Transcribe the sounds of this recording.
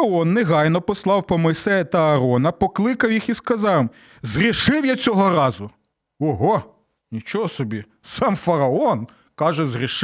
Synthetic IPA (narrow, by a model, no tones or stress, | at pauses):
ɐɔnːeɦɑjnɔpɔslˠɑwpɔmɔjsɛjɐt̪ɐːɾɔnɐpɔklˠɪkɐwjixiskɐzɑw | zrʲɪʃɪwjat͡sʲɔɦɔɾɑzʊ | ɔɦɔ | nʲit͡ʃɔɦɔsɔbʲi | sɑmfɐɾɐɔn | kɑʒɛzrʲiʃ